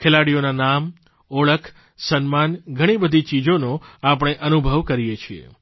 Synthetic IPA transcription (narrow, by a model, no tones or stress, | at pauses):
kʰelaɽijonanam | oɭəkʰ | sənmanɡʱəɽ̃ibəd̪ʱit͡ʃid͡ʒonoap̬əɽ̃eʔənubʱəʋkəɾijet͡ʃʰiḛ